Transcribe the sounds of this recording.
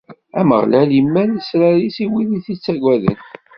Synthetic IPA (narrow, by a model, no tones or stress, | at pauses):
æmə̰ʁlælimːænəsɾæɾisiwiðiθit͡sːæɡʷwæðə̰n